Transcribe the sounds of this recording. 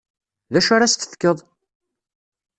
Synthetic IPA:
ðæʃaɾast̪ə̥θkːəðˤ

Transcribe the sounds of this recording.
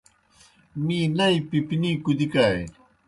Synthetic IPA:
minajpɪpɪnikʊd̪ɪkaj

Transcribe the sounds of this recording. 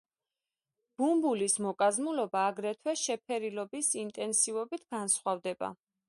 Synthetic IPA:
b̥umbulismɔkʼazmulɔbaːɡɾɛt̪ʰwɛʃɛpʰɛɾilɔbisint̪ʼɛnsivɔbit̪ʰɡ̥ansχwavd̪ɛba̰

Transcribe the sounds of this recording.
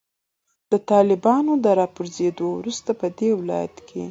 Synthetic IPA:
d̪̥ət̪ɑlɪbɑnod̪əɾɑpuɾzed̪owɾust̪apəd̪ewɪlɑ̰ja̰t̪kʰe

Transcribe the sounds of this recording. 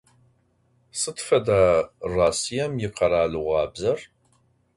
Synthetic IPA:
sɨtfɐdaːraːsijɛmjɪqɐɾaːluʁʷɑːbzɐr

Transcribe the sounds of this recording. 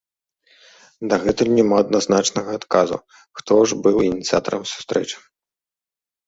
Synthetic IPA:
d̪ɐɣɛt̪ɨnʲɛmaɐd̪̚naznat͡ʂnɐɣɐːt̪kazṵ | xt̪ɔʐbɨwinʲit̪sɨat̪ɐɾɐmsu̥st̪ɾɛt͡ʂɨ̥

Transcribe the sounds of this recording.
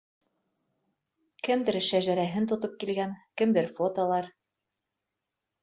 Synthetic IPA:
kɘ̆md̪ɘɾʃæʒæɾæɦɘnt̪ŏt̪op̚kilɡænkɘ̆md̪ɘɾfot̪olˠɑɾ

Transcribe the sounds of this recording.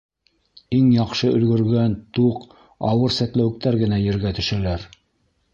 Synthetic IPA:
iŋjɑqʃɤʔɵ̆lɡɵ̆ɾɡænt̪uq | ɑwɤɾsæt̪læwɘ̆k̚t̪æɾɡɘ̆næjɘ̆ɾɡæt̪ɵ̆ʃælæɾ

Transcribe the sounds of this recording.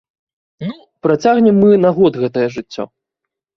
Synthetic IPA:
nu | pɾat͡sʲaɣnʲɛmːɨnaɣɔd̪ɣɛt̪ɐjɐʐɨt͡sʲːɔ̰

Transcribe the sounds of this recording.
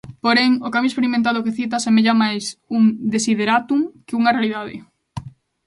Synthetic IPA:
poɾeŋokamjoespeɾimẽnt̪̬aðʊkɪθit̪̬ɐsemeʎamajsuŋd̪esiðeɾat̪uŋkɪuŋɐrealiðaðɪ̰

